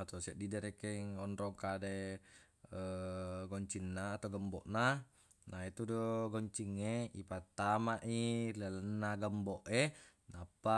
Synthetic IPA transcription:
at̪osiaʔdidaɾekeŋɔnɾɔŋkade | əɡɔɲt͡ʃinːaːt̪awɡəmbɔʔna | nait̪udoɡɔɲt͡ʃiŋːeipat̪ːamaʔilalənːaɡəmbɔʔe | napːa

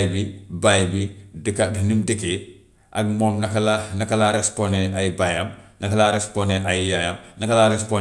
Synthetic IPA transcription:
jbibajbidikadinimdəke | ʔa̰ɡmɔmnɐkalanakalaɾɛspɔneajbajamnakalaɾɛsponeʔajjajamnɐkalaɾɛspo

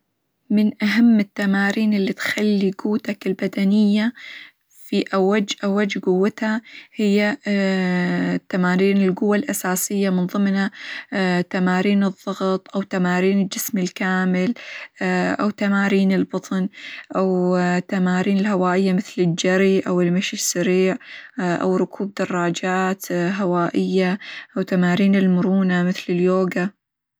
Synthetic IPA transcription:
mɪnʔaɦamːɪt̪ːamaːɾiːnɪlːit̪xalːiɡuːt̪akɪlbad̪anɪjːa | fiʔawːad͡ʒːʔawːad͡ʒːɡʊwːɪt̪hahɪjːa | t̪ːamaːɾiːnɪlɡʊwːalʔasaːsɪjːamɪnðˤɨmna | t̪amaːɾiːnɨðˤːɑɣt̪ˤʔawt̪amaːɾiːnɪld͡ʒɪsmɪlkaːmɪl | ʔawt̪amaːɾiːnɪlbɑt̪ˤnʔawt̪amaːɾiːnɪlɦawaːʔɪjːamɪθlɪld͡ʒaɾiʔawɪlmaʃɪsːaɾiːʕʔa̰wɾʊkʰuːb̚d̪ɑrˤːɑːd͡ʒaːt̪ɦawaːʔɪjːaʔawt̪amaːɾiːnɪlmʊɾuːnamɪθlɪljoːɡa

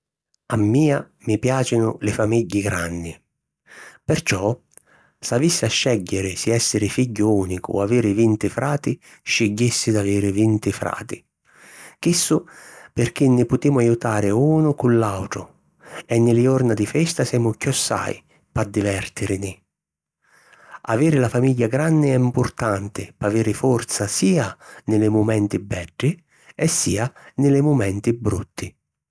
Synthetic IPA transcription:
amːiːa | mipjaːt͡ʃɪnʊlɪfamiɟːɪɡɾanːɪ | pɪrt͡ʃɔ | savisːɪaʃːɛɟːɪɾɪsiɛsːɪɾɪfiɟːʊuːnikʊ̰aviːɾɪvint̪ɪfɾaːt̪ɪ | ʃːɪɟːisːɪd̪aviːɾɪvint̪ɪfɾa̰ːt̪ɪ | k̟isːʊpɪrk̟inːɪpʊt̪iːmʊajut̪aːɾɪuːnʊkulːawt̪ɾʊ̰ | ɛnːɪlɪɔrnad̪ɪfɛst̪asɛːmʊkːɔsːa̰j | pad̪ːivɛrt̪ɪɾɪnɪ | a̰veːɾɪlafamiʎːaɡɾanːɪɛimpʊrt̪ant̪ɪpaveːɾɪfɔrt̪sasiːanɪlɪmʊmɛnt̪ɪbɛɖːɪ | ɛsːiːanɪlɪmʊmɛnt̪ɪbɾut̪ːɪ

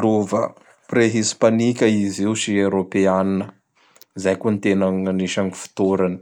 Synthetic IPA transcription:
lovə̰ | preɦispanikʲəiziwʃiewɾopeaninə | zajkonit̪enaŋaniʃaŋifi̥t̪uɾani̥

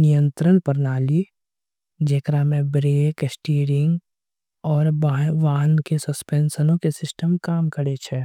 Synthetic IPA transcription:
nɪjə̃nt̪ɾənpəɾnaːli | d͡ʒeːkɾamẽbɾeːksʈiːɾɪ̃ŋɡ | ɔːɾbaːʋaːnkesɐspeːnsənõkesɪsʈəmkaːmkəɾet͡ʃʰɛ

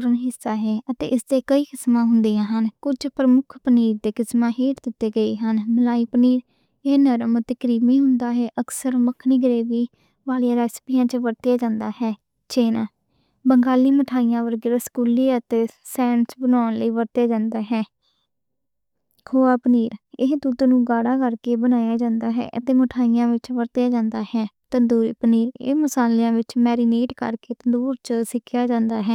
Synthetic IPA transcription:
ɾənɦɪsːaːɦɛːʔət̪ḛːʔɪsd̪eːkəiːkɪsmãːɦʊnd̪ijãːɦənkʊd͡ʒpɾəmʊkʰpəniːɾd̪eːkɪsmãːɦeːɾd̪ɪt̪ːeːɡəeːɦənməlaːiːpniːɾ | eːnəɾəmət̪eːkəɾiːmiːɦʊnd̪aːɦɛːʔəksəɾməkʰniɡɾeːʋiː | ʋaːlɪjaːɾɛːsə̥pijãːt͡ʃəʋəɾt̪jaːd͡ʒãːnd̪aːɦɛː | t͡ʃeːnãː | bəŋɡaːliːməʈʰaːijãːʋəɾɡɪɾəskuːliːət̪eːsɛːnsbənaːnləiːʋəɾt̪jaːd͡ʒãːnd̪aːɦɛː | kʰoːaːpəniːɾɪɦt̪uːt̪nũːɡaːɽaːkəɾkeːbənaːjaːd͡ʒãːnd̪aːɦɛ̰ːʔət̪eːməʈʰaːijãːʋɪt͡ʃʋəɾt̪jaːd͡ʒãːnd̪aːhɛːt̪ənd̪uːɾipniːɾɪ̰məsaːlijãːʋɪt͡ʃmɛːɾiːneːʈkə̰ɾkeːt̪ənd̪uːɾt͡ʃəsɪkʰːjaːd͡ʒãːnd̪aːɦɛː

